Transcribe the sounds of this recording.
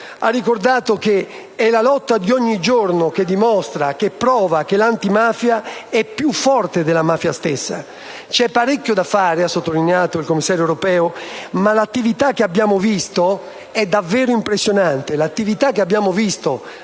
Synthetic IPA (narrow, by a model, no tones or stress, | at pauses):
a̰rːikoɾd̪aːt̪oke | ɛlalɔt̪ːad̪ioɲːid͡ʒoɾnoked̪ːimɔst̪ɾakepːɾɔːvak̟elant̪imaːfjaɛpːjufːɔrt̪ed̪elamaːfjast̪ɛsːa̰ | t͡ʃɛpːaɾekːjod̪afːaːɾeasːot̪ːolineaːt̪oilkomːisːaːɾjoɛwɾopɛːomalat̪ːivit̪akːeabːjaːmovist̪o | ɛd̪ːavːɛːɾoimpɾesːjonant̪elat̪ːivit̪akːeabːjaːmovist̪o